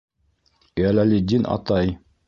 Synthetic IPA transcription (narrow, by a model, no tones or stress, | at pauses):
jælælʲid̪ʲinɑ̰t̪ɑj